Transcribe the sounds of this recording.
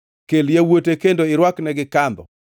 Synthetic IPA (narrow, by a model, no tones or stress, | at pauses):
keljawotekendoɪɾwaknɛɡɪkambɔ̰